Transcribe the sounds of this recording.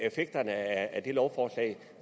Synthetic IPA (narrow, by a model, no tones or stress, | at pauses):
efeɡ̥̚d̥ɐnəææd̥e̝lɒʊfɒːslɛ̰ɪ